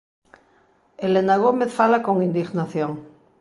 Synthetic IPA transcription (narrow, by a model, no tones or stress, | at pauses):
elenaɣ̞omeθfalakoŋind̪iɣnaθjoŋ